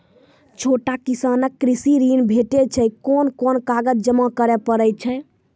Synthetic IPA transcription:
t͡ʃʰoʈakisanəkːɾisiɾinbʱeʈet͡ʃʰɛjkonkonkaɡəd͡ʒd͡ʒəmakəɾɛpəɾət͡ʃʰɛ

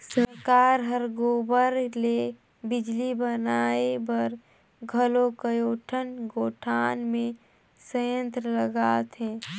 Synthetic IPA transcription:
sɾəkaːɾɦəɾɡoːbəɾle | bɪd͡ʒlibənaebəɾ | ɡʱəlokəjoːʈʰənɡoːʈʰaːnmẽ | səjə̃nt̪ɾələɡaːt̪ɦɛ̃ː

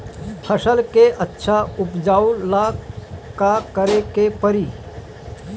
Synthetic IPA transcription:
pʰəsəlkeʔɐtːʃʰaʊpd͡ʒaːulakakəɾekepəɾiː

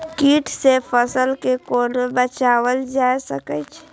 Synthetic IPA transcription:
kiːʈʰsepʰəsəlkekoːnobət͡ʃaːwəld͡ʒaːjsəkət͡ʃʰ

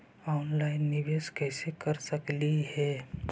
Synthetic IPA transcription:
ɔːnlaɪnːɪʋeːskɛsekəɾsəkliɦɛ

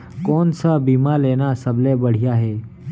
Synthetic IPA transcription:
koːnsaːbiːmaːleːnaːsəbleːbəɽ̤ɪjaːɦɛː

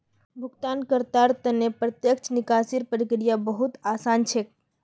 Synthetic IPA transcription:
bʱʊɡt̪ankəɾt̪aɾt̪ənepɾət̪jəkt͡ʃnikasiɾpəɾikɾijabəɦut̪aːsant͡ʃʰek

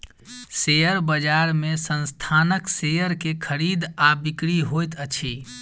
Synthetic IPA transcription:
sejəɾbəd͡ʒaɾmesənst̪ʰanəksejəɾkekʰəɾid̪abikɾiɦojt̪ət͡ʃʰi

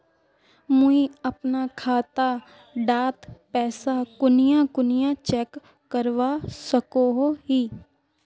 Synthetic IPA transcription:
mʊiɐpnakʰaːt̪a | ɖaːt̪pɛːsakʊnɪjãkʊnɪjãt͡ʃɛːkː | əɾʋasəkoɦoɦiː

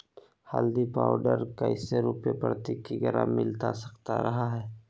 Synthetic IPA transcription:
hald̪ipaːʊɖəɾkaɪseɾʊpepəɾt̪ikiɡɐɾa̰mɪlt̪asɐkt̪a̰ɾɐɦaɦɛː

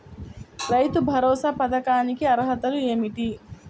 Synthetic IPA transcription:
ɾɐjt̪ubʱɐɾoːsɐpɐd̪ɐkaːnikiɐɾɦɐt̪ɐlueːmiʈi

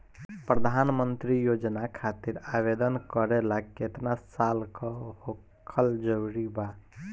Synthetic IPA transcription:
pɾəd̪ʱanmənt̪ɾijod͡ʒnakʰat̪iɾabed̪ənkəɾelakːet̪nasalkɔho | kʰəld͡ʒəwɾiba

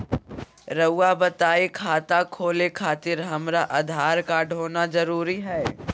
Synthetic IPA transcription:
ɾɐʊabɐt̪aːikʰaːt̪akʰoːlekʰaːt̪ɪɾɦɐmɾaʔɐd̪ʱaːɾkaɖʱɦoːnazɐɾuːɾiɦɛː

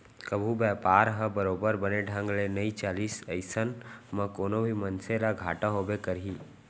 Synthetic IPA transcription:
kəbʱubɛːpaːɾɦə̃bəɾoːbəɾbəneɖʱə̃ŋɡlenəit͡ʃaːliːsəɪsənmə̃koːnobʱimənselaɡʱaːʈaɦoːbekəɾɦiː

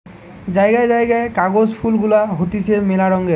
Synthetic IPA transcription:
zajɡajzajɡajkaɡozpʰulɡulaɦot̪isʰemelaɹɔŋɡe

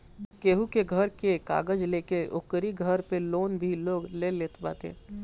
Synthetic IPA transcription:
keːɦukeɡʱəɾkeka̰ːɡəd͡ʒleːkeʊ̰kɾiɡʱəɾpeloːnbʱiloːɡleleːt̪ba̰ːt̪ḛː

